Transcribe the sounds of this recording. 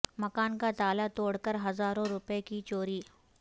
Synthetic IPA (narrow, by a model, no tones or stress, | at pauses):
mɐkaːnkat̪aːlat̪oːɽkəɾɦɐzaːɾõɾʊpekit͡ʃoːɾiː